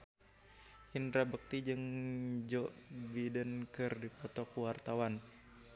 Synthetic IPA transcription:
ʔinɾabək̚t̪id͡ʒɨŋd͡ʒɔʔbidənkɨrdipɔt̪ɔkuwart̪awan

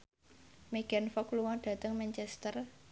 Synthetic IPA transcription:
meɡ̥a̤nfɔkluwɔɖ̥ä̤t̪əŋmɛnt͡ʃɛst̪ər

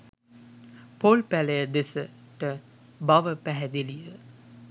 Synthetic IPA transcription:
poːlpælejəd̪esə | ʈə | baʋəpæɦɛd̪eliʋə

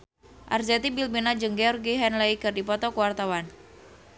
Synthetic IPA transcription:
ʔa̰rzɛt̪ibilbinad͡ʒɨŋɡeɔrɡiɦɛnlaikɨrdipɔt̪ɔkəwart̪awan

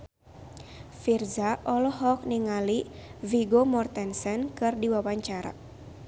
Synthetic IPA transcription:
firzaʔɔlɔɦɔk̚niŋaliviɡomɔrt̪ɛnsɛnkɨrdiwawaɲt͡ʃaɾa̰

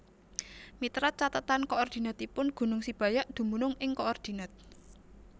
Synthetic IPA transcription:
mit̪ɾat͡ʃat̪ət̪ankoɔrd̪̥i̤nat̪ipʊnɡ̥ṳnʊŋsib̥a̤jaʔd̪̥ṳmunʊŋɪŋkoɔrd̪̥i̤nat̪̚

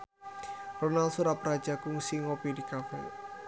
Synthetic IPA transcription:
rɔnalsuɾapɾad̥d͡ʒ̥akuŋsiŋopidikafɛ̰

